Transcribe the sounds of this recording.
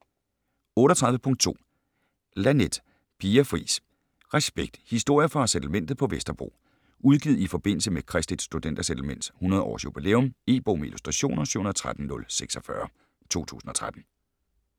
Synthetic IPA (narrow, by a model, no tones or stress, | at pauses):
ɔ̽ːɾ̥ɒt͡sʰʁɑ̈ð̞ˠʋəpʰɔ̽ŋ̰d̥̚t͡sʰo̝̰ː | læned̥ | pʰiːɐfʁḭːs | ʁɛsb̥eɡ̥̚d̥hisd̥o̝ɐ̰jəfɒ̽sed̥l̩men̰d̥ð̩ˠpʰɒ̽ʋesd̥ɐb̥ʁo̝̰ː | uðˠɡ̥ið̞̩̰ˠifɒ̽b̥e̝n̰l̩səmekʰʁɛsd̥id̥sd̥ud̥end̥æsed̥l̩men̰d̥shunɐð̞ˠɒ̰ːsjub̥ile̝̰ːɔ̽me̝̰ːb̥o̝̰ːmeḭlusd̥ʁɑɕo̝̰ːnɐsy̰hunɐð̩ˠt͡sʰʁad̥n̩nːɔ̽lseɡ̥sɒ̽fɶ̰ɐ | t͡sʰo̝̰ːt͡sʰṵːsn̩ɒ̽t͡sʰʁad̥n̩